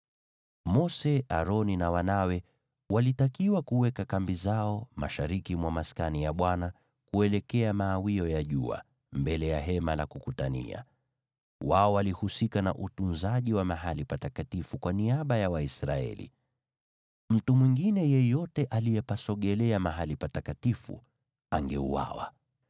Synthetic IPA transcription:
mɔsɛaɾɔninawanawɛ | walitakiwakuwɛkakambizaɔma̰ʃaɾikimwamaskanijaɓwana | kuɛlɛkɛamaːwiɔjaʄṵa̰ | mbɛlɛjaɦɛmalakukutanḭa̰ | waɔwalihusikana̰ʔutunzaʄiwamaɦalipatakatifukwaniaɓajawaisɾaɛ̰lḭ | m̩tumwiŋɡinɛjɛjɔtɛʔalijɛpasɔɠɛlɛamaɦalipatakatifṵ | aŋɡɛṵwa̰wa̰

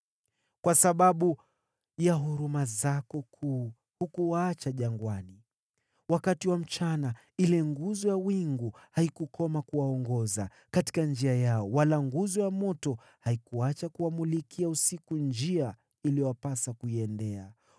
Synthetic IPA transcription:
kwasaɓaɓu | jaɦuɾumazakɔkʰu | hukuwaːt͡ʃaʄaŋɡwani | wakatiwam̩t͡ʃana | ilɛŋɡuzɔjawiŋɡuhaikukɔmakuwaɔŋɡɔza | kati̥kand͡ʒiajaɔwalaŋɡuzɔjamɔtɔ | haikuat͡ʃakuwamulikʰiausikund͡ʒia | iliɔwapasakuiɛndɛa

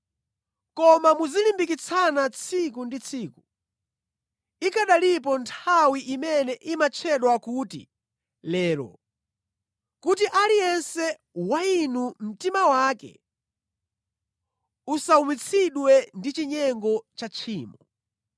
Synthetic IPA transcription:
kɔmamuzilimbik̬it͡sʰanat͡sʰik̬undit͡sʰiːku | ikaɗalip̬ɔntʰawiʔimɛnɛʔimat͡ʃʰɛɗwakuːtḭ | lɛːɾɔ̰ | kut̬iʔalijɛnsɛ | wainum̩timawakɛ̰ | usaumit͡sʰiɗwɛndit͡ʃiɲɛŋɡɔt͡ʃat͡ʃʰiːmɔ

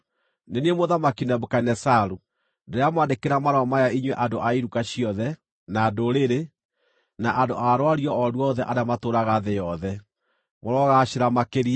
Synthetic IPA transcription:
neniemoðamakinɛbokanɛsaɾu | ndeɾeamwandekeɾamaɾɔmajaiɲwɛʔandoʔaiɾukaɕiɔðɛ | nadoɾeɾe | naʔandoʔaɾwaɾiɔɔɾwɔðɛʔaɾamatoɾaɣaðejɔðɛ | moɾɔɣaɕeɾamakeɾia

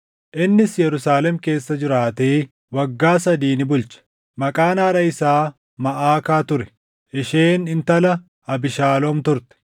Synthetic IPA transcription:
ʔɪnːɪsjɛɾʊsaːlɛmke̞ːsːɐd͡ʒɪɾaːt̪eː | wɐɡːaːsɐd̪iːnɪbʊlt͡ʃɐ̥ | mɐkʼaːnaːɾɐɪsaː | mɐʔaːkaːt̪ʊɾɛ̥ | ʔɪʃeːnɪnt̪ɐlɐ | ɐbɪʃaːlɔmt̪ʊɾt̪ɛ̥

